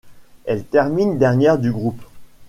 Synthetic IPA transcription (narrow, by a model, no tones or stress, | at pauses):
ɛlt̪ɛʁmind̪ɛʁnjɛʁd̪yɡʁup